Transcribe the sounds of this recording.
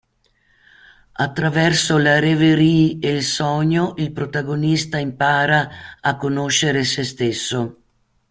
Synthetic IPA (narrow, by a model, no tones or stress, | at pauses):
at̪ːɾavɛrsolaɾeveɾiːelsɔɲoʔilpɾot̪aɡonist̪aimpaːɾaakːonoʃːeɾesest̪esːo